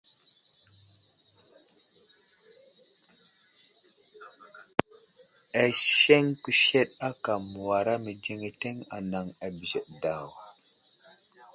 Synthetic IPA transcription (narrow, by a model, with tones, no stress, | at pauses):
a˨ʃe˦ŋku˨ʃe˦ɗa˦ka˨mu˨wa˨ɾa˦mi˨d͡ʒe˨ŋe˨te˦ŋa̰˨na˨ŋa˨bi˨ze˨ʔda˨wa˨